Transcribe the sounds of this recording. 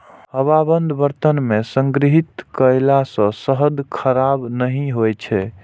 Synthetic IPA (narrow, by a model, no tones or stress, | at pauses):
həbabənd̪ʱbəɾt̪ənmesəŋɡɾiɦit̪kəjlasə̃səɦəd̪kʰəɾabnəɦĩɦojt͡ʃʰɛ